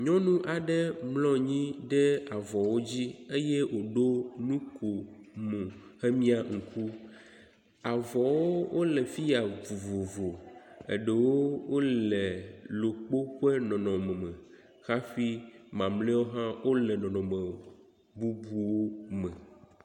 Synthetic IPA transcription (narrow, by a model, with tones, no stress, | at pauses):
ɲɔ̃˦nũ˦ʔa˨ɖɛ˦mlɔ̃˦ɲĩ˦ɖɛ˦a˨vɔ˨wo˦d͡ʑi˦e˦jɛ˦wo˨ɖo˦nũ˦kʰo˨mũ˨xɛ˦mĩ˦a˨ŋ̩˨kʰu˦ | a˨vɔ˨wo˦wʔo˦lɛ˨fi˦ja˨vo˨vo˨vo˨ḛ˨ɖɛ˨wo˦wo˦lɛ˨lo˨k͡po˦ɸɛ˦nɔ̃˨nɔ̃˨mɛ˨mɛ̃˨ | xa˦fi˦mã˨mlɛ˦wo˦ɦã˦wo˦lɛ˨nɔ̃˨nɔ̃˨mɛ̃˨o˨ | bu˦bu˦wo˦mɛ̃˨